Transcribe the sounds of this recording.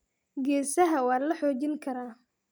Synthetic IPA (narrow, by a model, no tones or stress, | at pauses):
ɡɛːsɐɦɐwɑːnlɐħɔːt͡ʃɪŋkʰɐɾaː